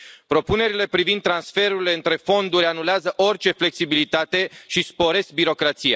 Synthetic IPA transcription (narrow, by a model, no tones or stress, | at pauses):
pɾo̞pune̞ɾile̞pɾivind̪ːɾansfe̞ɾuɾile̞ɨnt̪ɾe̞fo̞nd̪uɾʲanuleazəʔo̞rt͡ʃe̞fle̞ksibilit̪at̪e̞ʃispo̞ɾe̞sk̚biɾo̞kɾat̪sija̰